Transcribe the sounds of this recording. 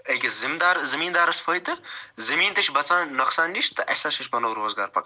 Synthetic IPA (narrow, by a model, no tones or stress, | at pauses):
ɐkʲizimd̪aːɾzɐmiːnd̪aːɾɐsfʰoːjt̪ːɨzɐmiːnt̪ɐʃbɐt͡saːnnːoksaːndiʃt̪ɨʔɐ̰sɐʃɐʃʲpɐnɐɾoːzɡa̰ːɾpɐk